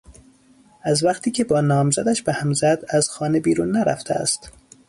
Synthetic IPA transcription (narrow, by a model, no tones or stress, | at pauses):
æzvæqt̪ʰiːcʰe̞bɒːnɒːmzæd̪æʃbehæmzæd̪æz̥xɒːnebiːɾuːnːæɾæ̰ft̪ʰeæ̰st̪